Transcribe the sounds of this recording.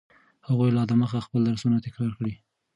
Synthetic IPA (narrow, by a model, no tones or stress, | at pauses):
haɣujlɑd̪əməxaxpəld̪aɾsunat̪ɪkɾɑɾkɽi